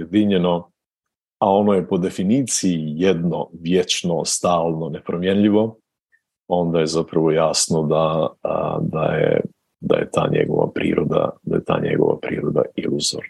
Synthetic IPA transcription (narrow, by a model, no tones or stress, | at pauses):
jed̪iɲe̞no̞ | ao̞noje̞po̞d̪e̞finiːt̪siijed̪no̞ʋjet͡ʃnost̪aːlˠno̞ne̞pɾomjenʎiʋo̞ | o̞nd̪aje̞zapɾaʋo̞jaːsnod̪a | d̪a̰jḛ | d̪a̰jet̪a̰ːɲe̞̰ɡo̞̰ʋa̰pɾḭːɾod̪a̰d̪ajet̪ʰa̰ːɲe̞̰ɡo̞̰ʋa̰pɾiːɾo̞d̪a̰iluzoɾn